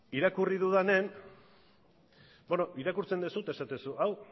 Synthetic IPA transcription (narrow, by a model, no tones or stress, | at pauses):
iɾakuriðuðane̞n | bonoʔiɾakuɾt͡se̞nd̪esut̪e̞sat̪e̞suʔaw